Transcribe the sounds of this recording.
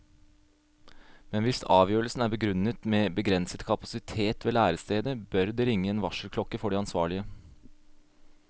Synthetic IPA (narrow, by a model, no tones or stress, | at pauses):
mɛnʋɪsɑːʋjøːɾəlsn̩æːɾbəɡɾʉnət̪meːbəɡɾɛnsət̪kʰɑpɑsɪt̪ʰeːt̪ʋeːlæːɾəst̪eːd̪əbœɾd̪eːɾɪŋːəeːnʋɑʂəlkʰlɔkːəfɔɖiɑnsʋɑːɭɪə